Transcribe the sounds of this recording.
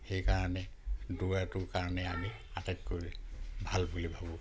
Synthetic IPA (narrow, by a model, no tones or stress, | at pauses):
xejkaɹanɛduatʊkaɹɔnɛami | atatkojbʱalbulibʱabɔ̃